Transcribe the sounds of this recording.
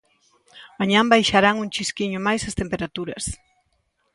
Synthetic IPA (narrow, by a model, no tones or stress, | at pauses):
maɲãmbajʃaɾaŋuŋt͡ʃiskiɲʊmajsɐst̪empeɾat̪uɾɐs